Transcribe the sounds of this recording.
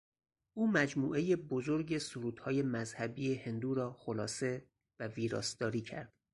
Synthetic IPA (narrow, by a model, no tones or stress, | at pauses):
uːmæd͡ʒmuːʔe̞je̞bozo̞ɾɟe̞soɾuːd̪̥hɒːje̞mæzhæbiːjehe̞nd̪uːɾɒːxolɒːse̞ | væviːɾɒ̰ːsd̪ɒːɾiːcʰæ̰ɾd̪̥